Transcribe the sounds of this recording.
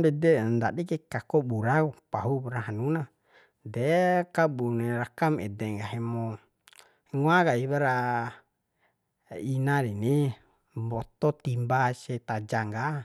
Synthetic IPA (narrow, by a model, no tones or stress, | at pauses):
dɛdɛnd̪aɗikekakobuɾaɡupaɦuβɾaɦanuna | dekaɓunɛɾakamɛdeŋɡaɦemo | ŋuaɡaiβaɾa | inaɾini | bot̪ot̪imbaset̪ad͡ʒaŋɡa